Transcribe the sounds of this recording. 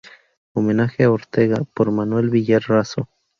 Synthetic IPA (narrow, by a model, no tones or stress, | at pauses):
omenaxeaoɾt̪eɣapoɾmanwelβijeɾraso